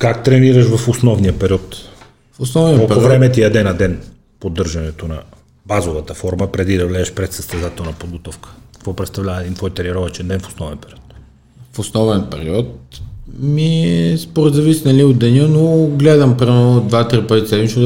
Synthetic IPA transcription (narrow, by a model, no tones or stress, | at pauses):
kakt̪ɾɛniɾəʃvɐfosnɔvniəpɛɾiɔt̪ | fʊsnɔvniəolˠpɛɾʊvɾɛmɛt̪iɐd̪ɛnɐd̪ɛn | pod̪ːɤɾʒɐnɛt̪onɐ̰ | bazovət̪əfɔɾməpɾɛd̪id̪ɐvlɛːʃpɾɛt̪səst̪ɛzat̪ɛlˠnɐpod̪̚ɡot̪ɔfkə̥ə̥kvɔpɾɛt̪st̪ɐvlʲavɐɛd̪int̪vɔjt̪ɛɾiɛɾɔvɛt͡ʃɛnd̪ɛnfo̥snɔvɛnpɛɾiɔt̪ | fosnɔvɛnpɛɾiɔt̪ | miɛɛspoɾɛd̪zɐvisinɐliod̪ɛnʲənoɡlɛd̪əmpɾivɛod̪vat̪ɾipət̪it̪sɛd̪mit͡ʃ̪o